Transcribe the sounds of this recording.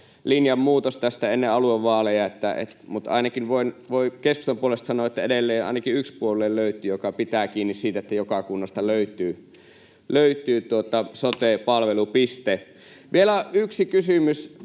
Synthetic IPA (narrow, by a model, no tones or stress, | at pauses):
linjɑmmuːt̪ost̪æst̪æenːeɑlueʋʋɑːlejɑet̪ːæḛt̪mut̪ʔɑ̰ˑinɑkinʋoˑinʋoˑikesku̥st̪ɑmpuolest̪sɑnˑoɑet̪ːæedelːeːnʔɑ̰inɑkiykspuolːˑeːlløˑyt̪ˑyːjokɑpit̪æːkiːnːissiːt̪æet̪ːæjokɑkunːɑst̪ɑløˑyt̪ˑyː | løˑyt̪ˑyːt̪uot̪ɑsot̪eˑpɑlʋelupist̪e | ʋʔielæyksikysymys